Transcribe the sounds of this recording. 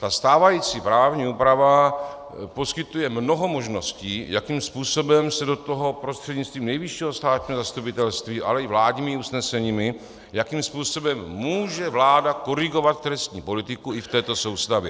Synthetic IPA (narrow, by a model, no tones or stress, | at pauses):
t̪ast̪aːvajiːt͡siːpɾaːvɲiːuːpɾava | po̞skɪt̪ujɛmno̞ɦo̞mo̞ʒno̞sciːjakimspuːso̞bɛmsɛdo̞t̪oɦo̞pɾost̪r̥ɛdɲit͡st̪viːmnɛjvɪʃiːɦo̞st̪aːt̪ɲiːɦo̞zast̪upɪt̪ɛlst̪viːʔa̰lɛɪvlaːɟɲiːmɪusnɛsɛɲiːmɪ | jakimspuːso̞bɛmːuːʒɛvlaːdako̞ɾɪɡo̞vat̪t̪ɾɛst̪ɲḭːpo̞lɪt̪ɪkuɪft̪ɛːt̪o̞so̞wst̪avjɪ